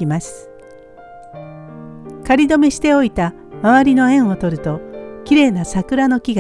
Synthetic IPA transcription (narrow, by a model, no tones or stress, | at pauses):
imasɨ̥ | kaɾʲid̪o̞mʲeɕi̥t̪e̞o̞it̪a | maβaɾʲino̞ẽ̞ɰ̃o̞t̪o̞ɾɯ̟t̪o̞kʲiɾe̞ːnasakɯ̟ɾano̞kʲiɡa